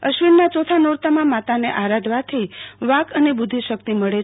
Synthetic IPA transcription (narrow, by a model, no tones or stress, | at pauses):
əʃʋinːat͡ʃot̪ʰanoɾt̪amãmat̪aneʔaɾad̪ʱʋat̪ʰəiʋakənebud̪ʱiʃək̚t̪iməɭe